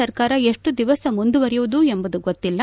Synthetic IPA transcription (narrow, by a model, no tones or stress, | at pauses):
ɐɾkaːɾɐeʂʈud̪iʋɐsɐmund̪uʋɐɾɛjuʋud̪uembɐd̪uɡot̪ːilːɐ